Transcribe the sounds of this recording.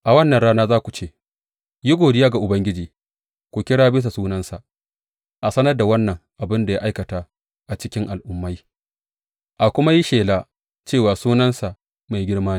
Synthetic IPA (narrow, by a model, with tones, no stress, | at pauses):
ʔa˨wɐ˦nːɐ˨nɽaː˦naː˦zaː˦kʷu˨t͡ʃeː˦˨ | ji˦ɡʷoː˨dɪ˦jaː˦ɡa˨ʔʊ˨bɐ˦ŋɡʲɪ˦d͡ʒiː˨ | kʷu˨kʲɪ˦ɽaː˦bɪ˦s̬a˨suː˦nɐ˦nsa˨ʔ | ʔa˨sɐ˦nɐ˦rda˨wɐ˦nːɐ˨ŋʔa˨bɪ˦nda˨ja˦ʔa˦jkɐ˨ta˦ | ʔa˨t͡ʃɪ˦kʲɪ˦ŋʔa˨lʔʊ˦mːa˦j | ʔa˨kʷʊ˦ma˦ji˦ʃeː˨la˦ | t͡ʃeː˦˨waː˨suː˦nɐ˦nsa˨ʔ | ma˨jɡʲɪ˦ɽmaː˦niː˨